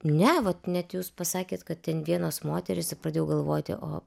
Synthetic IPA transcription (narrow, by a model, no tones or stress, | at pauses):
nʲɛʋɐt̪nʲɛt̪juːspɐsɑːkʲeːt̪kɐt̪̚tʲɛnʋʲiɛnoːsmoːt̪ʲɛɾʲɪspɾɑːd̪ʲeːjɛʊɡɐlˠʋoːt̪ʲɪ̰ʔo̰ː